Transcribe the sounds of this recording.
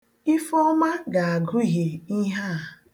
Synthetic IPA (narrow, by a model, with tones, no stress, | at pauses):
i˦fɔ˦ma˦ɡa˨a˨ɡʊ˦˨ɦe˨i˦ɦa˦˨